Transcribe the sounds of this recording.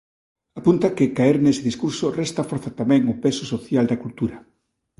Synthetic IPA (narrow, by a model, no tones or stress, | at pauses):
apunt̪ɐkɪkaeɾnesɪðiskuɾsʊrɛst̪ɐfɔɾθat̪amɛ̃ŋʊpesʊsoθjald̪ɐkult̪uɾɐ